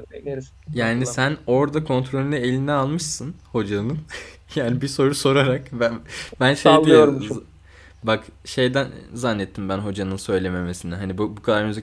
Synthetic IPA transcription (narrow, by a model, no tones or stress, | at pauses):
jaːnisæno̞ɾd̪akʰo̞nt̪ʰɾo̞lʲinɛelʲinɛalˠmɯʃsɯnho̞d͡ʒanɯnjaːnibiso̞ɾuso̞ɾaɾakbbænʃej̪eoɾ | bakʃe̞jd̪ænzanːɛt̪ʰːimbænɦo̞d͡ʒanɯnsø̞jlʲe̞me̞me̞sinɛɦanibubukʰad̪aɾmyzi